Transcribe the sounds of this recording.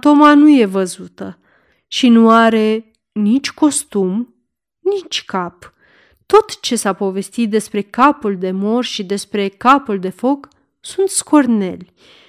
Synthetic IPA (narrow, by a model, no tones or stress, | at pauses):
t̪o̞manuje̞vəzut̪ə | ʃinuaɾe̞ | nit͡ʃʲko̞st̪um | nit͡ʃʲkap | t̪o̞t̪t͡ʃe̞sapo̞ve̞st̪it̪̚d̪e̞spɾe̞kapuld̪e̞mo̞rʃid̪e̞spɾe̞kapuld̪e̞fo̞k | sunt̪sko̞rne̞̰lʲ